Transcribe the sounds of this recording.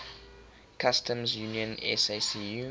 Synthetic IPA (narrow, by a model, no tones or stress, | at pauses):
kʰastʰə̃mzjuniə̃nɛ̰sesiju